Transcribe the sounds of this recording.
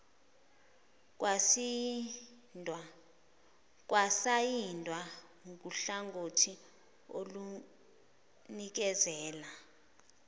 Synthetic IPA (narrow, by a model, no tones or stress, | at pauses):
kwasi | dʱa | k̬ʼwasajindʱwa | ŋk̬ʼuɬaŋɡʱotʰi | o̰lu | nik̬ɛzɛːla